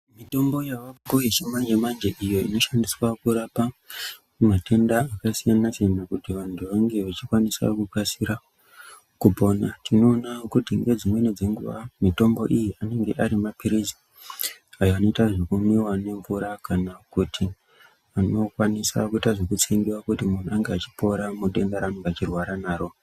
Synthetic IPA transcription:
mito̞mbo̞jaʋaɡojet͡ʃemand͡ʒemand͡ʒe̞ʔijo̞ḭno̞ʃandiswakuɾapa | mate̞ndaːkasijanasijanakutiʋantʰuʋaŋɡe̞ʋat͡ʃikwanisa̰kukasiɾa | kupo̞ːnatino̞ːnakutiŋɡe̞d͡zimwe̞ned͡zeŋɡṵʋamito̞mbo̞ʔijiane̞ŋɡe̞̰ʔaɾimapiɾizi | ajoano̞itaʐekumiwane̞ɱvuɾakanakutʰi | ano̞kwanisa̰kuitaʐekut͡seŋɡiwakutimun̤uaŋɡeat͡ʃi̥po̞ɾamuɗe̞ndaɾanuŋɡat͡ʃirwaɾanaːɾo̞

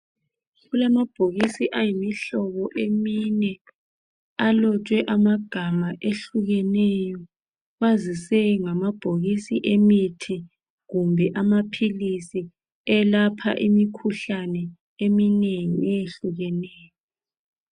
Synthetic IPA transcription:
ɣulamab̥ʱoɣisiʔajimiɬɔβɔʔeminɛ | alɔt͡ʃʼwɛʔamaɡ̥ʱamaʔeɬuɣɛnɛjɔ | ɣazisɛŋamab̥ʱoɣisiʔemitʰi | ɣumbʱɛʔamapʰilisi | ɛlapʰa̰ʔimikʰuɬanɛ | emineŋiɛjeɬuɣɛnɛːjɔ

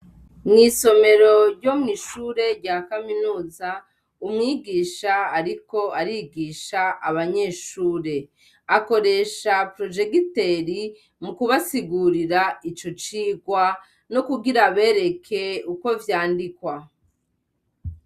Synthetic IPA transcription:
nŋiːso̞me̞ɾo̞ɾɟo̞mŋiːʃuːɾe̞ɾɟakaminuːza | umŋiːɡiːʃaːɾiko̞aɾiɡiːʃaʔːβaɲe̞ːʃuːɾe̞ | ako̞ɾe̞ʃapɾo̞d͡ʒe̞ɡiteɾi | mukuβasiɡuɾiɾait͡ʃo̞t͡ʃiːɡwa | no̞kuɡiɾaβe̞ːɾe̞kʰe̞uko̞vjaːndikwa

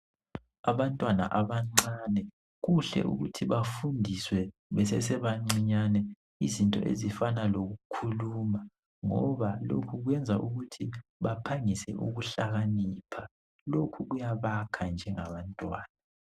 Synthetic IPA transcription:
aβantʼwana̰ʔaβaŋ͡ǀanɛ | ɣuɬɛ̰ʔṵɣutʰiβafundʱiswɛβɛsɛsɛβaŋ͡ǀiɲanɛ | izintʼɔ̰ʔḛzifanaloɣukʰuluma | ŋɔ̰βalo̰kʰuɣwɛnd͡zʱaʔuɣutʰiβapʰaŋisɛ̰ʔṵɣuɬaɣaniːpʰa | lokʰuɣujaβakʰand͡ʒʱɛŋaβantʼwaːna

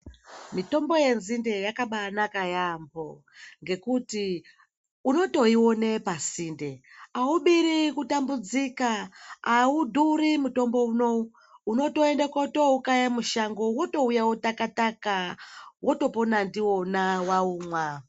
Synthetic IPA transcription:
mito̞mbo̞je̞nzinde̞jakaɓanakajambo | ŋɡe̞kuti | uno̞to̞iwo̞ne̞pasinde̞auɓiɾikutambud͡zikaaudʱurimuto̞mbo̞uno̞u | uno̞to̞e̞ndakoto̞ukajamuʃaŋɡo̞woto̞ujawotakatakawʔoto̞ponandiwo̞nawauːmwa

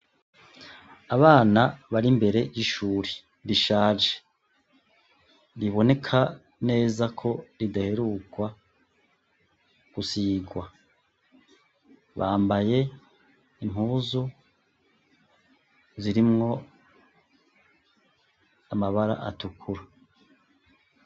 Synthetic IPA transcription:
aβaːnaβaɾimbe̞ɾe̞jiʃuːɾe | ɾiʃaːʒe̥ | ɾiβo̞ne̞kʰa | ne̞ːzakʰo̞ɾidaheɾukwa | ɡ̥usiːɡwa | βaːmbaje̞ | im̥huːzu | ziɾimŋo̞ | amaβaɾa̰ʔa̰tukʰuɾa

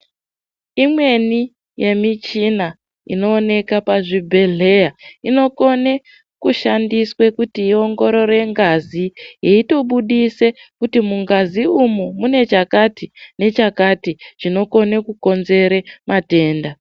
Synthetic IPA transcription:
imwe̞ni | je̞mit͡ʃina | ḭno̞ːne̞kapaʐibʱe̞ɮe̞jaino̞ko̞ne | kuʃandiswe̞kutiio̞ŋɡo̞ɾo̞ɾe̞ŋɡazijeito̞ɓuɗise̞kutimuŋɡaziumumune̞t͡ʃakatine̞t͡ʃakatiʐ̥ino̞ko̞nekuko̞nze̞ɾemate̞ːnda

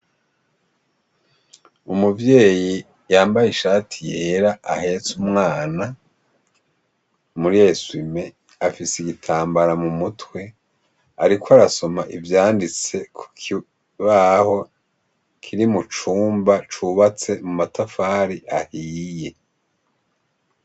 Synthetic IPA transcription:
umuvje̞ːji | jaːmbajiʃaːtʰijeɾaʔahe̞t͡sumŋaːna | muɾijeswime̞ | afiseiɡitʰaːmbaɾamumutwe̞ | aɾikwaɾaso̞maʔivjaːndit͡se̞kʰu̥kʰi | βaho̞ | kʰiɾimut͡ʃuːmbat͡ʃuβat͡se̞mumatafaːɾiʔahiːje̞

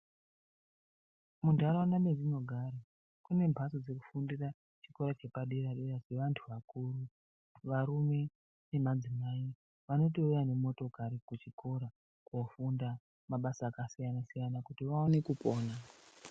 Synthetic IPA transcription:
mundʱaɾaanamezinoɡʱaɾa | kune̞mbʱasod͡ze̞ku̥fundira | t͡ʃiko̞ɾat͡ʃe̞paɗeɾaɗerase̞ʋantʰuʋakuːru | ʋaɾume̞ | ne̞mad͡zimai | ʋano̞t̬iujane̞mo̞to̞kaɾikut͡ʃiko̞ɾa | kofunda | maɓasaːkasijanasijanakutiʋaonekupo̞ːna

